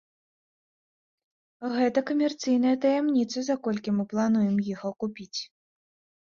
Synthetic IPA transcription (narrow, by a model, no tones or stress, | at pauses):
ɣɛt̪ɐkɐmʲɛrt̪sɨjnɐjɐt̪ɐjamnʲit̪sɐzakɔlʲkʲimɨplˠanujɛmjiɣɔkupʲit͡sʲ